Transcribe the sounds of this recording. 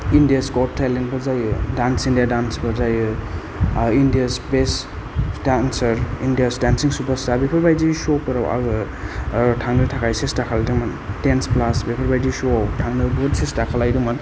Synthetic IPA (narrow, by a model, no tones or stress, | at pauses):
indijaskot̚tʰːajlenbɯzajɯdansindijadansbɯɾzajɯ | indiaspes | dansɐɾindijasdansiŋsupastabepʰɐɾbajd͡ʒisopɯɾa̰wa̰ɡɯ | tʰaŋnɯtʰakʰajsestakʰalajduŋmantensplasbepʰɐɾbajd͡ʒisotʰaŋnɯbodsestakʰalajduŋman